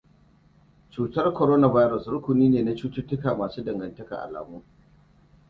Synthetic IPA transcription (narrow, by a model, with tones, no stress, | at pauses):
t͡ʃuː˨tɐ˦rkɔ˨ɾoː˦na˨va˦jɾɔ˨sɾʊ˦kʷʊ˨niː˦neː˨na˦t͡ʃuː˦tʊ˦tʊ˦kaː˨maː˨suː˦dɐ˨ŋɡɐ˨ntɐ˦ka̰˨ʔa̰˨la̰ː˨muː˦